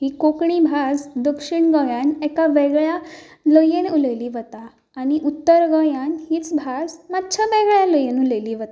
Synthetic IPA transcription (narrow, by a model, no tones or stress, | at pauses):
ɦiːkokɳibʱasd̪əkʂiɳɡəjanɛkaʋɛɡɭja | ləjenuləjliːʋət̪aː | ɽ̃iʔut̪ːəɾɡəjanhiːt͡sbʱasmat̪ːt͡ɕʰaʋɛɡɭjaləjenuləjliːʋət̪a